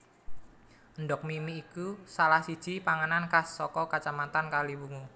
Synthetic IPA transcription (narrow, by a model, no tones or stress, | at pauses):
ənɖɔk̚mimiːkusalahsi̥ʒ̥ipaŋanankasːɔkɔkat͡ʃamat̪ankalibuŋu